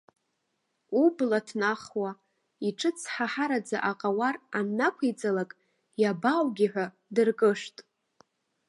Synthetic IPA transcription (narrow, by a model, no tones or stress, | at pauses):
ublatʰnaχwa | iʈ͡ʂʰʼɨt͡sʰħaħaɾad͡za̰ʔaqʼawaranːakʷʰijd͡zalakʼ | jabawɡʲiħᶣʷa | dɨrkʼɨʂtʼ